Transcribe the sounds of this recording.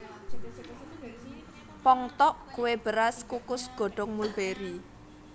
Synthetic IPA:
pɔŋt̪ɔʔkuwebəɾaskukʊsɡ̥ɔ̤ɖ̥ɔŋmulbeɾi

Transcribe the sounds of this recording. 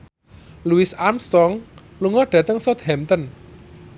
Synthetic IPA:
luɪsamst̪ɔŋ | luŋɔɖ̥ä̤t̪əŋsɔt̪̚hɛmt̪ɔn

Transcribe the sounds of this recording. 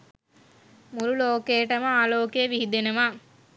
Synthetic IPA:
muɾuloːkejʈəməaːloːkeːʋiɦid̪enɐʋaː

